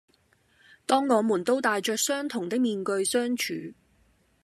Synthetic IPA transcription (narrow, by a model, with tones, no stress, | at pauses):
t̪ɔː˥ŋːɔː˨˧muː˨˩nt̪o˥wt̪aː˨jt͡ʃœː˨k̚sœː˥ŋt̪ʰʊ˨˩ŋt̪ɪ˥k̚miː˨˧nkɵ˧ɥsœː˥ŋt͡ʃʰyː˨˥